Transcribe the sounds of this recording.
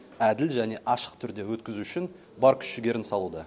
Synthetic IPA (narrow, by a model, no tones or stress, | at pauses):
æd̪ɪlʒæne̞ʔɑʃə̥qt̪ʰʏɾd̪e̞wɵt̪kʲɪzuʏʃɪn | bɑɾkʲʰʏ̥ʃɪɡʲe̞ɾɪnsɑlˠud̪ə